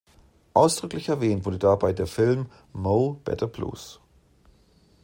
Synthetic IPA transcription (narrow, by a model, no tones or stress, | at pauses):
ʔaʊsd̥ʁʏklɪçɛɐvɛːntv̥ʊɐdədabaɪdeːɐfɪlmː | oʊb̥ɛ̰tʰɐblṵːs